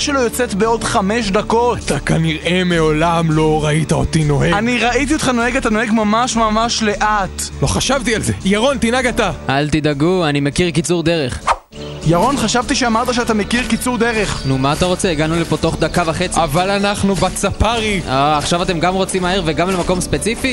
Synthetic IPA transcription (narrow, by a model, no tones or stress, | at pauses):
ʃelojot͡set̪beo̞dχame̞ʃ̬d̪ako̞at̪akaniʁe̞meo̞lamlo̞ʁait̪ao̰t̪ino̞heɡaniʁaʔit̪̬io̞t̪χano̞heɡat̪ano̞eɡmamaʃmamaʃle̞ʔat̪lo̞χaʃavt̪ialzejaʁo̞nt̪inaɡat̪aalt̪id̪aɡuanimekiʁkit͡suʁd̪e̞ʁeχ | jaʁo̞nχaʃavt̪iʃeamaʁt̪aʃeat̪ame̞kiʁkit͡suʁd̪eʁeχnumaːt̪aʁo̞t͡seiɡanulepo̞t̪o̞χd̪akavaχet͡savalanaχnubat͡sapaʁioaχʃavat̬e̞mɡamʁo̞t͡simːaheʁveɡamlemako̞mspe̞t͡sifi